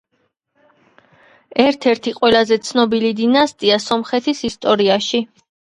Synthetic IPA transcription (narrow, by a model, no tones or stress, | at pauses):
ɛɾt̪ʰɛɾt̪ʰiqʼwɛlazɛt̪sʰnɔbilid̪inast̪ʼiasɔmχɛt̪ʰisist̪ʼɔɾiaʃi